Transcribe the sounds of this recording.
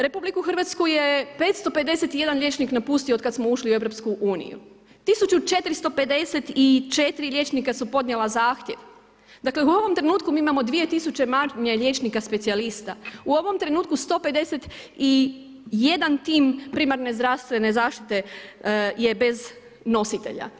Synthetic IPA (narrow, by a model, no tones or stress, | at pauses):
ɾe̞publikuxr̩ʋat̪skuje̞pe̞ːt̪st̪o̞pe̞d̪e̞set̪ije̞d̪anlʲʎje̞t͡ʃniknapuːst̪iood̪kad̪smo̞uʃliue̞ʋɾo̞p̪skuʔuːnḭjṵ | t̪isut͡ʃut͡ʃe̞t̪ɾist̪o̞pe̞d̪e̞set̪it͡ʃet̪iɾilʲje̞ːt͡ʃnikasupo̞d̪nɲjelˠazaːxt̪ʲje̞ʋ | d̪akle̞uo̞ʋo̞mt̪ɾe̞nuːt̪kumiːimamo̞d̪ʋije̞t̪isut͡ʃe̞maɾɲeʎʲe̞ːt͡ʃnikaspesialist̪auo̞ʋo̞mt̪ɾe̞nuːt̪kust̪o̞ːpe̞d̪e̞set̪ | i | je̞d̪ant̪iːmpɾiːmaɾne̞zd̪ɾaʋst̪ʋe̞ne̞zaːʃt̪i̥t̪e̞ | je̞be̞z | no̞sit̪e̞̰ʎa̰